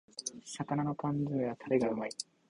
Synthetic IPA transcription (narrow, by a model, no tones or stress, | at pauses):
sakanano̞kãndɨβat̪ʰaɾeɡaɯ̟mai